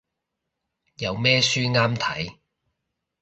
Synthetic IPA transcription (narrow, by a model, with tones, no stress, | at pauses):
jɐ˨˧wmɛː˥syː˥ŋaː˥mt̪ʰɐ̰˨˥j